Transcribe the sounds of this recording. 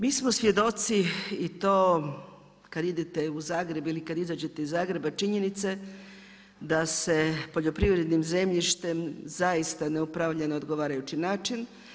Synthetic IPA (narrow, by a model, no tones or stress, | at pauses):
miːsmosʋje̞d̪o̞t̪siit̪o̞ː | kad̪id̪it̪euzaːɡɾe̞bilikad̪izad͡ʑe̞t̪eizaːɡɾe̞bat͡ʃiɲe̞nit̪se | d̪ase̞po̞ʎo̞pɾiʋɾed̪nimze̞mʎiʃt̪e̞mzaist̪aneupɾaʋʎanood̪ɡoʋaːɾajut͡ɕinaːt͡ʃin